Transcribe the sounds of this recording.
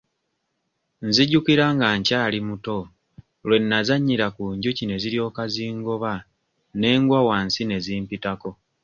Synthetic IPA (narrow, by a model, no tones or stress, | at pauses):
nziɟukiɾaŋɡaɲcaːlimuto̞ | lwe̞nːazaɲːiɾakuɲɟucine̞ziɾjo̞ːkaziːŋɡoβa | ne̞ːŋɡwawansine̞ziːmpitako̞